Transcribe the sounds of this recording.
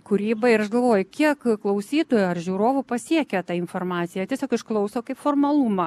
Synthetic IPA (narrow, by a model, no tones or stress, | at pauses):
kʊɾʲiːbɐɪɾɐʃɡɐlˠʋoːjʊkʲiɛkklˠɐʊsʲiːt̪oːjʊɐrʒʲuːɾoːʋʊpɐsʲiɛkʲɛt̪ɑːɪnfoːrmɑːt̪sʲɪjɛtʲiɛsʲoːkɪʃklˠɐʊsoːkɐɪpformɐlˠumɐ